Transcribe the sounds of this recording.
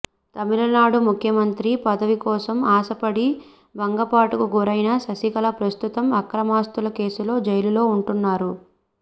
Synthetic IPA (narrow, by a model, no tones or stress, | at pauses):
t̪ɐmiɾɐnaːɽumukʰjɐmɐnt̪ɾipɐd̪ɐʋikɔːsɐmaːsɐpɐɽi | bɐŋɡɐpaːʈukuɡuɾɐjnɐsɐsikɐlɐpɾɐst̪ut̪ɐmɐkɾɐmaːst̪ulɐke̞ːsulo̞ːd͡ʒɐjlulo̞ːuɳʈunːaːɾu